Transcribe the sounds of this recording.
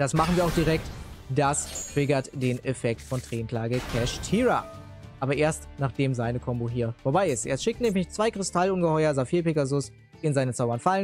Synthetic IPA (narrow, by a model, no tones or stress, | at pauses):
d̥asmaχn̩viːɐaʊxd̥iʁɛk̚td̥astʁ̥ɪɡɐtd̥eːnɛfɛk̚tfɔntʁ̥eːnkʰl̥aːɡəkʰɛʃtʰiːʁa | ʔaːbɐʔeːɐstnaːχd̥eːmzaɪnəkʰɔmboɦiːɐfoɐbaɪɪstʔḛːɐsʃɪktnɛːmlɪçt͡sv̥aɪkʁ̥ɪstʰalʊnɡəhɔʏɐzafiːɐpɪɡazʊs | ɪnzaɪnət͡saʊbɐnfalən